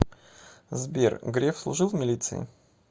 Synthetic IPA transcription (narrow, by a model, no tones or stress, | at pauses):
zbʲḛrɡɾʲefslˠʊʐɨlˠmʲɪlʲit̪sɨ̰ɪ̰